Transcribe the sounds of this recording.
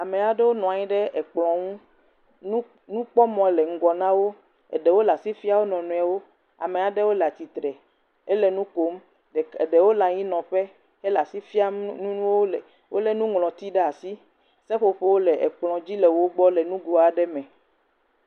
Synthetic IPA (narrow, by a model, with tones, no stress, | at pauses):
a˨me˨a˨ɖɛ˦wo˦nɔ̃˨a˨ɲĩ˦ɖɛ˦ɛ˨k͡plɔ̃˨ŋũ˦ | nũ˦ | nũ˦k͡pɔ˦mɔ̃˨lɛ˨ŋ̩˨ɡɔ˨nã˦wo˦ | ɛ̰˨ɖɛ˨wo˦la˨si˦fi˦a˦wo˦nɔ̃˨nũ˨a˨wo˦ | a̰˨me˨a˨ɖɛ˦wo˦lɛ˨a˨t̪i˨t̪ɾɛ˨ | e˦lɛ˨nũ˦ko˦m˨ | e˨ɖɛ˨wo˦la˨ɲĩ˦nɔ̃˨ɸɛ˦ | ɛ˦la˨si˦fi˦a˦ũ˦wo˦lɛ˨ | wʔo̰˦lɛ˦nũ˦ŋlɔ̃˨t̪i˦ɖe˦a˨si˦ | sɛ˦ɸo˨ɸe˦wo˦lɛ˨ʔɛ˨k͡plɔ̃˨d͡ʑi˦lɛ˨wo˦ɡ͡bɔ˦lɛ˨nũ˦ɡo˨a˨ɖɛ˦mɛ̃˨